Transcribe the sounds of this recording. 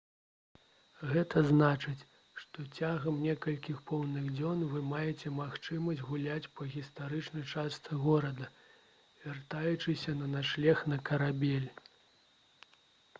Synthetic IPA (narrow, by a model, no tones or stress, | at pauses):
ɣɛt̪ʰɐznat͡ʂɨt͡sʲ | ʂt̪ɔt͡sʲaɣɐmnʲɛkɐlʲkʲixpɔwnɨɣd͡zʲɔnvɨmajɛt͡sʲɛmaxt͡ʂɨmɐsʲd͡zʲɣulʲat͡sʲpɐɣʲist̪aɾɨt͡ʂnɐjt͡ʂast̪sɨɣɔɾɐd̪ɐ | vʲart̪ajut͡ʂɨsʲɐnɐnaʂlʲɛxnɐkɐɾabʲɛlʲ